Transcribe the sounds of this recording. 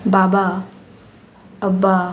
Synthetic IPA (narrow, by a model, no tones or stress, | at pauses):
baba | əba